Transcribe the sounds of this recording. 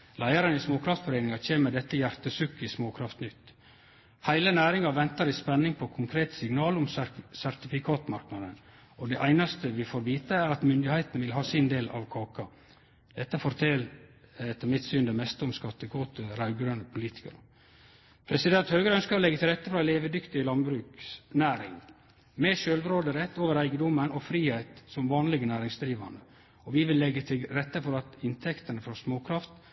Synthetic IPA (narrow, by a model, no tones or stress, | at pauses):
læɪɑɾənɪsmoːkʰɾɑft̪fɔɾeɪnɪŋɑc͡çʰeːməd̪ɛt̪ːəjæɾt̪əsʉkːɪsmoːkʰɾɑft̪nʏt̪ː | hæɪlənæːɾɪŋɑʋɛnt̪ɑɾɪspɛnːɪŋpʰɔkʰʊŋkʰɾeːt̪sɪŋnɑːlʊmsæɾt̪ɪfɪkʰɑːt̪mɑɾknɑd̪ən | ɔd̪ɛʔæɪnɑst̪əʋɪfoːɾʋiːt̪əæɾɑt̪mʏnd̪ɪhæɪt̪nʋɪlɦɑːsɪnd̪eːlɑ̰ʋkʰɑːkɑ | d̪̥ɛt̪ːəfɔɾt̪ʰɛlɛt̪ːəmɪt̪syːnd̪əmɛst̪əɔmskɑt̪ːəkʰoːt̪ʰəɾɑʉɡɾønəpʰʊliːt̪ɪ̥kə̰ɾ | pʰɾɛsɪd̪ɛnt̪høːɡəɾəœnskəɾlɛɡːət̪ʰɪlɾɛt̪ːəfɾɑɪleːʋəd̪ʏkt̪ɪlɑnbɾʉːksnæːɾɪŋ | mɛʃølʋ̪ɾoːd̪əɾɛt̪ːoːʋəɾæɪɡəd̪ɔmənɔfɾiːhæɪt̪sɔmʋɑːnlɪɡənæːɾɪŋsd̪ɾiːʋɑ̰nə | ɔʋɪʋɪlːɛɡːət̪ʰɪlɾɛt̪ːəfɔɾɑt̪ɪnt̪ʰɛkt̪ənəfɔsmoːkʰɾɑft̪